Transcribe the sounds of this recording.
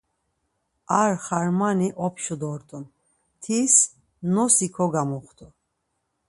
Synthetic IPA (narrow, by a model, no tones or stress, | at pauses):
aɾχaɾmaniʔɔpʰʃud̪ɔɾt̪ʼun | t̪ʰis | nɔsikʰɔɡamɔχt̪ʰu